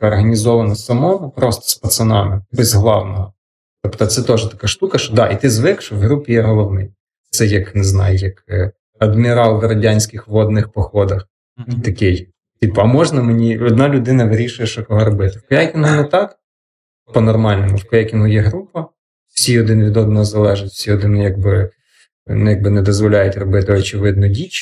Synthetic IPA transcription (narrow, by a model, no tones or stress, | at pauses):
ɐkɔrɦɐnʲizɔʋɐnɐsɐmɔʋɐpɾɔst̪ɔ̥spɐt̪sɐnɑmɪbɛzɦlˠɑwnɔɦɔ | t̪ɔpt̪ɔt̪sɛt̪ɔʒɛt̪ɐkɑʃt̪ukɐʃt͡ʃɔd̪ɑʔit̪ɪzʋɪkʃɔwɦɾupʲijɛɦɔlˠɔʋnɪj | t̪sɛjɐkneznɑ̰jʊjɐk | ɐd̪mʲiɾɑlˠʋeɾɐdʲanʲsʲkɪxʋɔd̪nɪxpɔxɔd̪ɐx | t̪ɐkɪj | tʲipɐmɔʒnɐmenʲiɔd̪nɑlʲʊd̪ɪnɐʋɪɾʲiʃʊjɛʃɔkɔɦɔɾɔbɪt̪ɪwkɔjakʲinɦʊnɛt̪ɑk | pɔnɔrmɑlʲnɔmʊwkɔjakʲinɦʊjɛɦɾupɐ | w̥sʲiɔd̪ɪnʋʲid̪ɔd̪nɔɦɔzɐlˠɛʒɪtʲw̥sʲiɔd̪ɪnjɐɡ̚bɪ | njaɡ̚bɪnɛd̪ɔzʋɔlʲajʊtʲrɔbɪt̪ɪɔt͡ʃɪʋɪd̪nɔdʲit͡ʃ